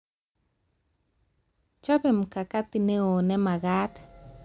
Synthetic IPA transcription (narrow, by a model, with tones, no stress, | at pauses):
t͡ʃɔ˦bɛ˨m˨ka˨ka˦t̪ɪ˨ne˦o˨nɛ˦ma˨ɡa˦t̪